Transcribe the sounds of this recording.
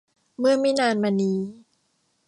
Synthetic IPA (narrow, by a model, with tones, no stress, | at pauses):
mɯ˥˩ɐmi˦˥˩naː˧nmaː˧niː˧